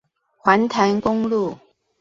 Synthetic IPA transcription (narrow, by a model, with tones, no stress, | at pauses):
xwa˨˧˥nt̪ʰa˧˥nkʊ˥ŋlu˥˩